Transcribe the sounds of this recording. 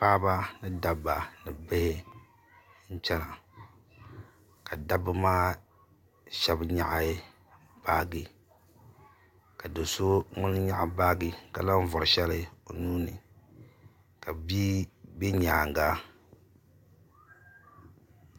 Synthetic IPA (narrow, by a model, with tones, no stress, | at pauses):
paː˦ba˦nɨ˦da˨bːa˨nɨ˨bɨ˦hɪ˦ | n̩˦t͡ʃɛ˦na˨ | ka˨da˦bɨ˦maː˦ | ʃɛ˦bɲa̰˨ʔa˨˦ | b̥aː˦ɡi˨ | ka˨do˨so˦ŋʊ˦n˦ɲa˦ʔbaː˦ɡɨ˨ka˨la˦ɱ˦vʊ˨ɾɨ˨ʃɛ˦lɨ˦o˨nuː˦nɨ̰˨ | ka˨biː˦be˦ɲaː˨ŋ˨ɡa˦